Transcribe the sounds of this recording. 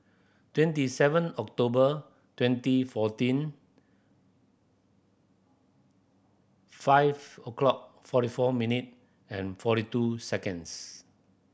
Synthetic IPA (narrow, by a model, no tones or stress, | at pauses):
twɛ̃ntisɛvə̃nɔk̚tobə | twɛ̃ntifɔtĩn | faɪvəklɔk̚fɔɾifɔminit̚ | ɛ̃nfɔɾitusɛkə̃ns